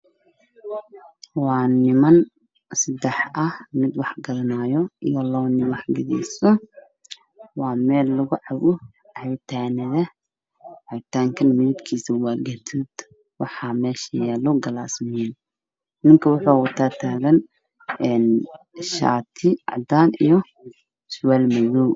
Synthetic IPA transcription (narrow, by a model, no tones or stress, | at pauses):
wɑːnɪmɐn | sɐd̪ɛħʔɐhmɪd̪wɑħɡɐɾɐnaːjɔʔijɔlɔwnɪwɑħɡɐðɛ̰sɔ | wɑːmɛːlːʊɣʊʕɑwʊ | hɛjt̪ʰaːnɐðɐ | ʕɛjt̪ʰaːŋkʰɐnmɪɪd̪kʰiːsɐwaɡɐt̪ʰuːd̪ | wɑħɑmɛːʃɐjɛːlɔɡɐlaːsmɪɛn | mɪŋkʰɐwʊħɔːwʊt̪ʰaːt̪ʰaːɣɐn | ɛn | ʃa̰ːt̪ʰɪʕɑ̰d̪aːnijɔ | swɛːlmɐju